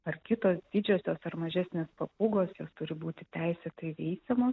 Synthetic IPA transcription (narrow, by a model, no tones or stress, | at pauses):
ɐrkʲɪt̪oːsd̪ʲɪd͡ʒʲoːsʲoːsɐɾmɐʒʲæsʲnʲeːspɐpʊɡoːsjoːst̪ʊɾʲɪbuːt̪ʲɪt̪ʲæɪsʲɛt̪ɐɪʋʲɛɪsʲɛmoːs